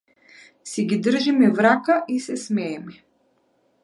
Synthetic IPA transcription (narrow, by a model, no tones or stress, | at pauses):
sɛɡʲid̪r̩ʒimivɾakaʔisɛsmɛːmi